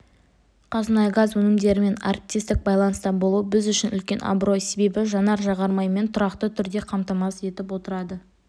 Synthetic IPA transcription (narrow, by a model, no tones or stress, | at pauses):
qʰɑzənɑjɡazwɵnɪmd̪e̞ɾɪme̞na̰rp̚t̪ʲist̪ɪk̚bɑjlˠɑnəst̪ɑbo̞lˠuəbɪzʏʃɪnʔʏlkʲe̞nʔɑ̰bɾo̞jse̞be̞bɪʒɑnɑɾʒɑʁɑɾmɑjme̞nt̪ʰʊɾɑqt̪ət̪ʰʏɾd̪e̞qʰɑmt̪ɑmɑse̞t̪ɪp̬wo̞t̪əɾɑd̪ə